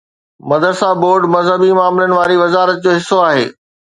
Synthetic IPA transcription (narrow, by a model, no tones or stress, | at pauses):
mɐd̪əɾsaːboːɾɖmɐzɦəbimaːmlənɪ̆ʋaːɾiʋɐzaːɾət̪̚d͡ʑoːɦɪsːoaːɦḛː